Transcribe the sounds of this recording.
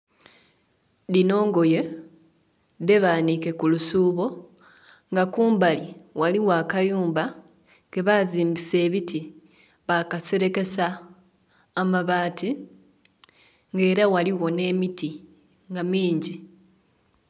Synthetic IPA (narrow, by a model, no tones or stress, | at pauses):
dino̞ːŋɡo̞je | ðe̞βaːnike̞kulusuːβo̞ | ŋɡakuːmbaliwaliwaːkajuːmba | ɡe̞βaziːmbise̞ːβiti | βakase̞ɾe̞ke̞saː | maβaːti | ŋɡe̞ːɾawaliɣo̞ne̞ːmiti | ŋɡamiːɲɟi